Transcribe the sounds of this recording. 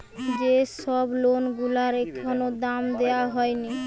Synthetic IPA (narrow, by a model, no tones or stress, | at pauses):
d͡ʑeʃɔblonɡulaɾekʰonod̪amd̪eaɦɔeni